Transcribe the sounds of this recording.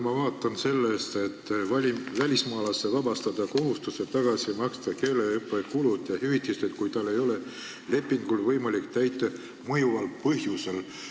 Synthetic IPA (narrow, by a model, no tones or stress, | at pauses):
mɑvɑːt̪ːˑɑnse̞lːeːst̪e̞t̪ːvɑlʲivælʲismɑːlɑsːevɑbɑst̪ɑd̪̥ɑko̞ɦust̪use̞t̪ɑɡ̥ɑsimɑkst̪ɑke̞ːleɯpːˑekulud̪̥jɑhyvit̪ːˑist̪et̪̚kujt̪ɑlːe̞jo̞le̞ | le̞pːˑiŋɡ̥ulvɤjmɑlikt̪æjt̪ːˑe | mɤjuvɑlpɤhjuse̞l